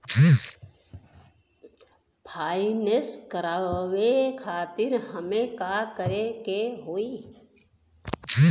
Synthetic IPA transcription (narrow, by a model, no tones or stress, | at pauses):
pʰaːineskəɾaʋekʰaːt̪ɪɾɦəmẽkaːkəɾekeɦoːiː